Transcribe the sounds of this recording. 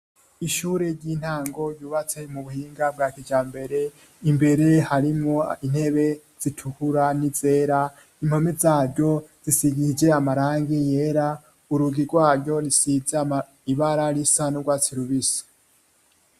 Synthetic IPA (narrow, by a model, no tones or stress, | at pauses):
iʃuːɾeɾɟiːn̥haːŋɡo̞juːβat͡se̞muβuhiːŋɡab̚ɡaːkid͡ʒaːmbe̞ɾe̞ | imbe̞ɾe̞haɾimoin̥he̞βe̞ | z̥itʰukuɾanize̞ːɾa | im̥ho̞mezaːɾɟo̞z̥isiɡiid͡ʒe̞amaɾaːŋɡijeːɾa | uɾuɡiɡwaːɾɟo̞ɾisize | iβaɾaɾisanuɡwaːt͡siɾuβisi̥